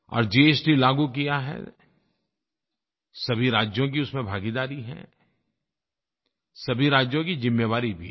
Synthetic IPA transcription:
ɔ̰ːɾd͡ʒiːeːsʈilaːɡukijaɦɛ̰ | sɐbʱiɾaːd͡ʒjõk̬iʊsmẽbʱaːɡid̪aːɾiɦɛ̰̃ | sɐbʱiɾaːd͡ʒjõkizɪmːeʋaːɾibʱḭ

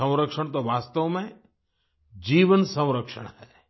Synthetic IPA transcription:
ə̃w̃ɾəkʃəɳ̃t̪oʋaːst̪əʋmẽ | d͡ʒiːʋənsə̃w̃ɾəkʃə̰ɽ̃hɛː

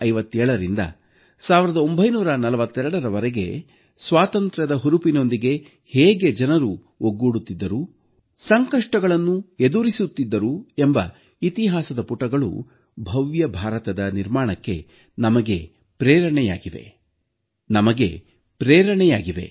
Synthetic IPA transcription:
ɐjʋɐt̪ːɛːɭɐɾind̪ɐ̰ | saːʋiɾɐd̪ɐo̞mbʱɐjnuːɾɐnɐlɐʋɐt̪ːɛɾɐɽɐɾɐʋɐɾeɡe̞̰ | sʋaːt̪ɐnt̪ɾɐd̪ɐɦuɾupino̞nd̪iɡe̞ | heːɡe̞d͡ʒɐnɐɾu | oɡːuːɽut̪ːid̪ːɐɾu | sɐŋkɐʂʈɐɡɐɭɐnːued̪uɾisut̪ːid̪ːɐɾuembɐ | it̪iɦaːsɐd̪ɐpuʈɐɡɐɭṵ | bʱɐʋjɐbʱaːɾɐt̪ɐd̪ɐniɾmaːɳɐkːe̞̰ | nɐmɐɡe̞̰ | pɾɛːɾɐɳɛja̰ːɡiʋe̞̰ | nɐmɐɡe̞̰ | pɾɛːɾɐɳɛjaːɡiʋe̞̰

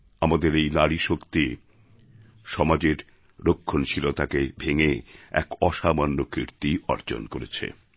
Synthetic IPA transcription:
amad̪eɾejnaɾiʃokt̪i | ʃɔmad͡ʑeɾ | ɾokʰːont͡ɕʰilot̪akebʱeŋeɛ̰kɔʃamanːokɾiɾt̪iɔɾd͡ʑo̰nkoɾḛt͡ɕʰḛ

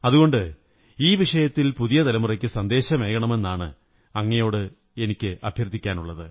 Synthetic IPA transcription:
ɐðuɣo̞ɳɖɨ | iːʋiʂɐjɐt̪ːilpuðijɐt̪ɐlɐmurɐkʲːɨsɐnd̪e̞ːɕɐme̞ːɣɐɳɐme̞nːaːɳɨ̰ | ɐŋːɐjo̞ːɽɨ | e̞nikʲːɨʔɐbʱjɐrt̪ːikʲːaːnuɭːɐðɨ̰

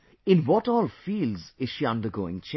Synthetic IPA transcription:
ɪ̃nwɔʈɔːlfiːlzɪz̥ʃiʌ̃ndəɡo̰ːɪ̃ŋt͡ʃʰẽ

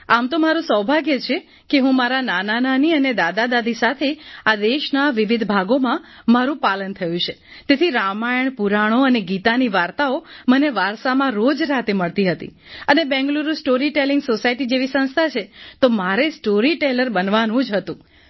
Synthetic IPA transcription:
amt̪omaɾũsəwbʱaɡjet͡ʃʰe | keɦũmaɾananananiəned̪ad̪ad̪ad̪ʱisat̪ʰead̪eʃnaʋɪʋɪd̪ʱbʱaɡomãmaɾũpalənt̪ʰəjũt͡ʃʰe | t̪et̪ʰiɾamajəɳpuɾaɽ̃oəneɡit̪aniʋaɾt̪aoməneʋaɾsamãɾod͡ʒɾat̪eməɭt̪iɦət̪ḭ | ənebɛ̃ŋɡluɾusʈoɾiʈelɪ̃ŋɡsosaiʈid͡ʒeʋisə̃ñst̪ʰat͡ʃʰet̪omaɾesʈoɾiʈeləɾbənʋanũd͡ʒɦət̪ũ

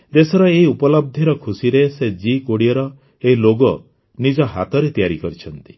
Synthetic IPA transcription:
d̪esɔɾɔeɦiupɔlɔb̚d̪ʱiɾɔkʰusiɾesed͡ʒikoɽiɔɾɔ | eɦiloɡɔ | nid͡ʒɔɦa̰t̪ɔɾet̪ijaɾikɔɾit͡ʃʰɔnt̪i̥

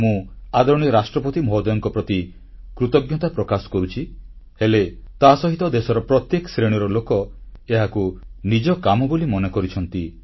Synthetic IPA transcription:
mũad̪ɔɾɔɽ̃iɾasʈɾɔpɔt̪imɔɦɔd̪ɔjɔŋkɔpɾɔt̪i | kɾut̪ɔɡjɔt̪apɾɔkasɔ̥kɔɾut͡ʃʰihelet̪asɔɦit̪ɔd̪esɔɾɔpɾɔt̪jekɔsɾeɽ̃iɾɔlokɔeɦakunid͡ʒɔkamɔbolimɔnekɔɾit͡ʃʰɔnt̪i

